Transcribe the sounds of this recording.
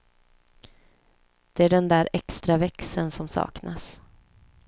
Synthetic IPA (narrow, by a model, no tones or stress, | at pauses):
d̪̥ɛæɖɛnd̪æːɾʔɛkst̪ɾavɛksənsɔmsɑ̰ːknas